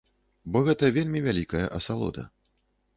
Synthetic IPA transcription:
bɔɣɛt̪ɐvʲelʲmʲivʲalʲikɐjɐ̰ʔɐsalˠɔ̰d̪ɐ̰

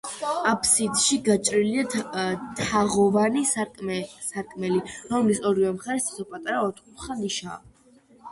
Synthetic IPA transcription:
apʰsid̪ʃiɡat͡ʃʼɾiliat̪ʰaʁɔvani | saɾkʼmɛliɾɔmlisɔɾivɛmχaɾɛst̪ḁsɔpʼat̪ʼaɾaɔt̪ʰχut̪χaniʃa̰

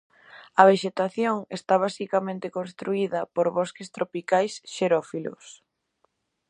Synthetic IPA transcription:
ɐβeʃet̪aθjoŋest̪aβ̞asikamẽnt̪ekõnst̪ɾuiðɐpoɾβɔskest̪ɾopikajsʃeɾɔfilʊ̰s

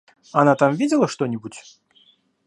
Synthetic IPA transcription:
anat̪amvʲid͡zʲɛlˠɐʂt̪ɔnʲibut͡sʲ

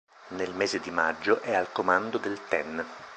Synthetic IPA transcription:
nelmeːzed̪imad͡ʒːoʔɛalkomand̪od̪elt̪ɛn

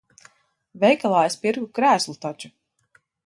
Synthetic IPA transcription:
vɛjkalˠaːjspiɾɡukɾæːslˠut̪at͡ʃu̥

